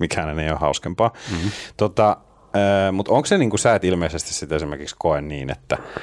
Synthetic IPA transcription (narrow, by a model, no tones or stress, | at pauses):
mikææneneiohɑuskempɑːt̪ot̪ɑ | əːmut̪oŋkseniːŋkusæet̪ilmeisest̪issit̪esimerkikskoenniːnḛt̪ːæ